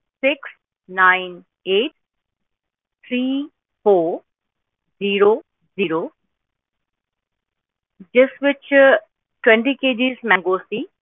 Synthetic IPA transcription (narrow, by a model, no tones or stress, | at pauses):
sɪks | nãɪ̃n | eːʈ̚ | t̪ʰɾiː | foːɾ | ziːɾo | ziːɾoː | d͡ʒɪsʋɪt͡ʃ | ʈwɛ̃ɳʈikeːd͡ʑizmɛ̃ŋɡoːsi